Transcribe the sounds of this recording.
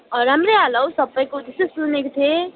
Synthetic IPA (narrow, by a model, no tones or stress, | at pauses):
ɾamɾealʌwsʌbʌjkod̪isesunekt̪ʰe